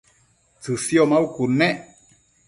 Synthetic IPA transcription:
t͡sɨsjɔmaukunːɛʔ

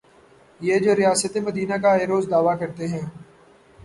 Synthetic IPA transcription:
jeːd͡ʒoːɾɪjaːsət̪eməd̪iːnakaeːɾoːzd̪aːʋakəɾt̪eɦɛ̃ː

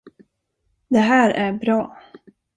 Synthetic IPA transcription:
d̪ɛɦæːɾæɾbɾɑː

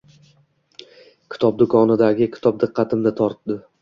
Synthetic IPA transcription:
kʲʰɪ̥t̪ʰɒp̚d̪ʊkʰɒnɪd̪aɡʲɪkʲʰɪ̥t̪ʰɒp̚d̪ɨqʰːɑt̪ʰɪmnɪt̪ʰɒɾt̪̚d̪ɪ

